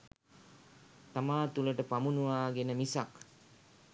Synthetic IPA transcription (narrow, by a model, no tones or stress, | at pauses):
t̪amaːt̪uləʈəpamunuʋaːɡenəmisak